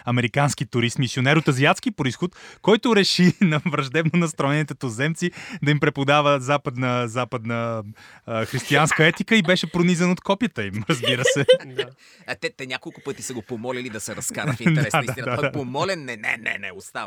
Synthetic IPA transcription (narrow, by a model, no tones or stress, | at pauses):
ɐmɛɾikansk̟it̪ʊɾismisʲionɛɾot̪ɐziat̪skipɾoisxot̪kɔjt̪ʊɾɛʃinɐvɾɐʒd̪ɛbnonɐst̪ɾɔɛnit̪ət̪ozɛmt̪sid̪ɐimpɾɛpod̪avəzapəd̪nəzapəd̪nə | xɾist̪ianskəɛt̪ikəibɛʃɛpɾonizɛnot̪kɔpijət̪əimɾəzbiɾəsɛd̪ | t̪ɛt̪ɛnʲakolˠkʊpɤt̪isɐɡopomɔlʲilid̪ɐsɛɾɐskaɾɐfid̪ɛsd̪aaapomɔlʲɛnːɛnɛ̰nɛ̰nɛ̰ost̪av